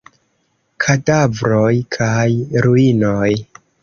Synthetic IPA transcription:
kʰadavɾo̞jkʰajɾuino̞j

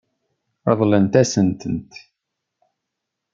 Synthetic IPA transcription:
ɑðˤlənt̪æsənt̪ənt̪

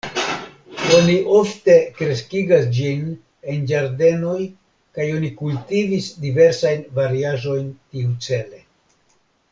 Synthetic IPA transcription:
o̞niʔo̞fte̞kɾe̞skiɡasd͡ʒin | e̞nd͡ʒaɾde̞no̞j | kajo̞nikultivisdive̞ɾsajnvaɾiaʒo̞jntiut͡se̞le̞

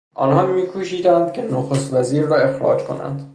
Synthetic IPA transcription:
ʔɒ̰ːnɦɒːmiːkʰuːʃiːd̪ænd̪̥cʲʰenoxost̪væziːɾːɒːe̞xɾɒ̰ːd͡ʒkʰo̞̰næ̰nd̪̥

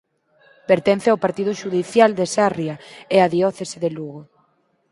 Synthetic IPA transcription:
peɾt̪en̟θeaopaɾt̪iðʊʃuðiθjald̪esarjaeaðiɔθeseðeluɣo

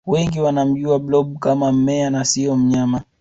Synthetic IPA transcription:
wɛŋɡiwanam̩ʄuablɔɓukamam̩mɛanasiɔm̩ɲama

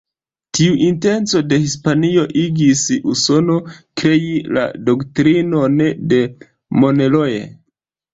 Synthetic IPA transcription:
tiuʔinte̞nt͡so̞de̞hispanio̞ʔiɡisuso̞no̞kɾe̞jila̰do̞ktɾino̞nde̞ | mo̞ne̞lo̞je̞̰

